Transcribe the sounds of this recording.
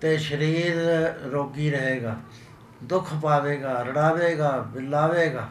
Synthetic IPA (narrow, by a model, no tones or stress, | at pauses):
t̪eːʃəɾiːɾːoːkiɾəɦeːɡaː | d̪ʊkʰpaːʋeːɡaːɾəɽaːʋeːɡaːbɪlːaːʋeːɡaː